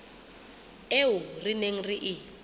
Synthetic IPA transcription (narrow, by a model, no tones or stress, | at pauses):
eɦurineŋ̩riʔi